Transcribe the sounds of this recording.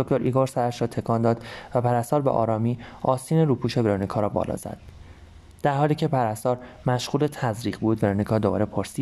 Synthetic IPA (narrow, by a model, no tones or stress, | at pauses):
d̪̥oct̪oɾʔiːɡoːɾsæɾæʃɾɒːt̪ʰe̞kʰɒːnd̪ɒːd̪̥væpʰæɾæst̪ɒːɾbḛʔɒ̰ːɾɒːmiːɒːsiːneɾuːpʰuːʃe̞veɾonikʰɒːɾɒːbɒ̰lɒ̰ːz̥æ̰d̪̥ː | æɾhɒːliːcʰe̞pʰæɾæst̪ɒːɾmæʃʁuːle̞t̪ʰæzɾiːʁbuːd̪veɾonikʰɒːd̪o̞bɒ̰ːɾe̞pʰoɾsi̥ː